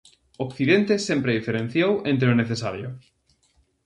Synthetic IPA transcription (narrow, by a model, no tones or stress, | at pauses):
okθiðent̪esempɾeðifeɾẽn̟θjowẽnt̪ɾeʊneθesaɾjʊ